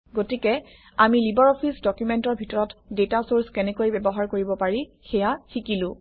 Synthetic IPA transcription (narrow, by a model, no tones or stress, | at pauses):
ɡotikɛ | amilibɔɹɔpʰisdɔkjumɛntɔɹbʱitɔɹɔtdetasoɹskɛnɛkojbɛbɔɦaɹkoɹibɔpaɹixɛjaxikilʊ̃